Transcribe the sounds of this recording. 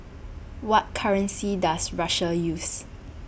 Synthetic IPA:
wɔt̚kʰaɹə̃nsidasɹaʃəjus

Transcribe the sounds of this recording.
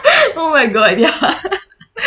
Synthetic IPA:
omaɪɡɔd̪ja

